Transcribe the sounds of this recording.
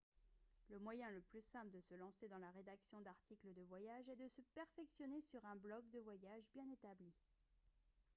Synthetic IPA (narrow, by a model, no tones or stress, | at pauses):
ləmwajɛ̃ləplysɛ̃pləd̪əsəlɑ̃sed̪ɑ̃laʁed̪aksjɔ̃d̪aʁt̪ikləd̪əvwajaʒɛd̪əsəpɛʁfɛksjɔnesyʁɛ̃blɔk̚d̪əvwajaʒbjɛ̃net̪abli